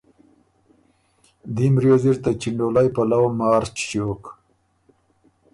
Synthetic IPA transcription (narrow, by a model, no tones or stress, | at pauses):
d̪imɾjoziɾt̪at͡ʃiɳɖolajpalawmɑːɾt͡ʃt͡ʃok